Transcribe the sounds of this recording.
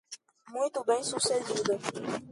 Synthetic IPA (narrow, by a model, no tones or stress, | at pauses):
mũjt̪ubẽj̃sused͡ʒid̪o